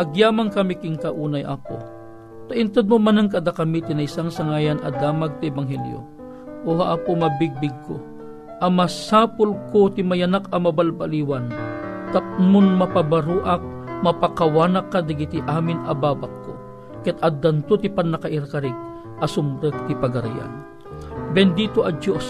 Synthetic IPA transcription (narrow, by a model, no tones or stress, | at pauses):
ʔɐɡjaːmaŋkɐmikɪŋkɐʔuːnɐjʔa̰ːpo̰ | t̪aʔɪnt̪od̪̚momanɐŋkɐd̪akɐmit̪ɪnɐɪsaŋsɐŋaːjɐnɐ̰d̪aːmaɡ̚t̪ɪɛbaŋɦɛljo̰ | ʔohaʔaːpomɐbɪɡ̚bɪɡ̚ko̰ | ʔɐmɐsaːpʊlkot̪ɪmɐjanakɐmɐbalbaliwant̪ɐpmonmɐpabaɾuːʔak̚ | mɐpakɐwaːnɐkːad̪ɐɡit̪ɪʔaːmɪnɐbaːbakːo̰ | kɛt̪ɐd̪ɐnt̪ot̪ɪpɐnːɐkɐʔɪɾkɐɾɪk̚ | ʔɐsʊmbɾaɡ̚t̪ipɐɡɐɾa̰ja̰n | bɛnd̪iːt̪oʔɐd͡ʒos